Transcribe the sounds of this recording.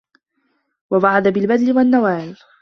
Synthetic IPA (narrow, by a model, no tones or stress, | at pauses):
wabaʕad̪abɪlbad̪lɪwanːawaːl